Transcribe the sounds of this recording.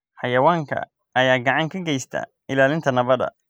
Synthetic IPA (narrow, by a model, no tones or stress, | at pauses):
ħɑjɐwaːŋkʰɐ̰ | ɐjaːɡɑʕɑŋkʰɐɡɛjst̪ʰɐ̰ | ɪlaːlɪnt̪ʰɐnɐβɐðɐ̰